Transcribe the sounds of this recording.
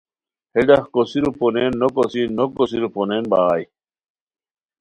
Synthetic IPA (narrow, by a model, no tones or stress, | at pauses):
hed̪ahkosiɾuponenːokosinokosiɾoponenbaːj